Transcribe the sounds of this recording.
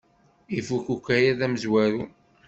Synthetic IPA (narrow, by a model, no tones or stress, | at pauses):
ifukukʷæjæðæməzwæɾu